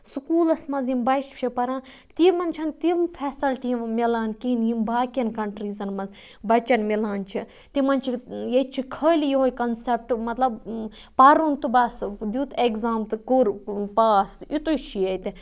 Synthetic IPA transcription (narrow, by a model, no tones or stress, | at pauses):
sukuːlɐsmɐzimbɐʃpt͡ʃʰipɐɾãːn | t̪imɐnt͡ʃʰɐnt̪impʰeːsɐlʈ̪imilaːnkinjimbaːkʲɐnkɐɳʈɾiːzɐnmɐz | bɐt͡ʃɐnmilaːnt͡ʃʰi | t̪imɐnt͡ʃʰijet͡ʃʰikʰɐːlijiɦojkɐnsep̚ʈmɐt̪lɐb | paɾunt̪ɨbaːsd̪ut̪ekzaːmt̪ɨkuɾpaːsit̪uʃijɐt̪i